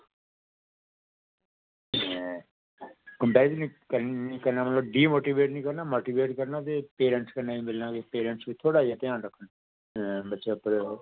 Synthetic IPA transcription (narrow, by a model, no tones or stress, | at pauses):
kəmpɛːɾt̪ːnĩːkənĩːkəɾnãːmət̪ləbɖiːmoːʈiːʋeːʈnĩːkəɾnaːmoːʈiːʋeːʈkəɾnaːt̪eːpeːɾə̃ɳʈskənaːʋiːmɪlnãːkepeːɾə̃ɳʈsʋiːt̪ʰoːɽaːd͡ʒaːt̪ɪjãːnɾəkʰːən | bətːʃeːpəɾ